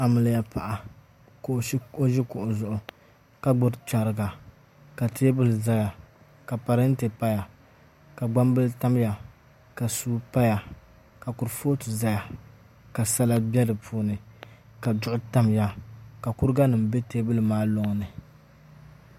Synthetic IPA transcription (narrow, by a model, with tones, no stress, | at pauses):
a˨mɨ˨lja˦pa˨ʔa˨ | ko˨˦o˦ʒi˦kʊ˨ʔʊ˨zʊ˨ʔʊ˨ | ka˨ɡ͡bʊ˦ɾt͡ʃa˨ɾɨ˨ɡa˨ | ka˨teː˦bɨ˦lza˦ja˨ | ka˨pa˨ɾɪ˦n˦te˨pa˦ja˨ | ka˨ɡ͡ba˦mbɨ˦lta˦m˦ja˨ | ka˨suː˦pa˦ja˨ | ka˨ku˨ɾfoː˦tu˨za˦ja˨ | ka˨sa˦la˦bɛ˦dɨ˨pʰuː˦nɨ˨ | ka˨dʊ˦ʔʊ˦ta˦mja˦ka˨ku˦ɾɨ˦ɡa˦nɨ˨mbe˦teː˦bɨ˦lɨ˨maː˦lo˦ŋ˨nɨ˨